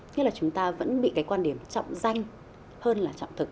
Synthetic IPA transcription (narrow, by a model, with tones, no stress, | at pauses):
ɲḭ˧˥laː˨˩t͡ɕʊ˨˦ŋ͡mt̪aː˧və̰˧˥nɓḭ˧˨kaː˨˦jkwaː˧nɗi˧˩əmt͡ɕɔ̰˧˨wŋ͡mza˧jŋ̟ | həː˧nlaː˨˩t͡ɕɔ̰˧˨wŋ͡mt̪ʰɨ˨˩k̚